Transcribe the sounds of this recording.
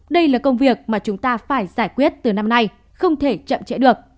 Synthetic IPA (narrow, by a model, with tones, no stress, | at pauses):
ɗə˧jlaː˨˩kə˧wŋ͡mvi˨˩ək̚maː˨˩t͡ɕʊ˨˦ŋ͡mt̪aː˧faː˧˩jzaː˧˩jkwi˦˥ət̚t̪ɨ˨˩na˧mna˧j | xə˧wŋ͡mt̪ʰe˧˩t͡ɕə̰˧˨mt͡ɕḛ˧˥ɗɨ˨˩ək̚